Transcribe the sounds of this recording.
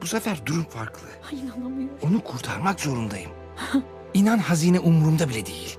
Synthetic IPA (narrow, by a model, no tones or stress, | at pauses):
busafæɾd̪uɾumfaɾklˠɯ | inanˠamajuo̞nukʰuɾt̪ʰaɾmakzo̞ɾund̪ajɯm | inanhaziːnɛʔumɾumd̪abilʲɛd̪ejilʲ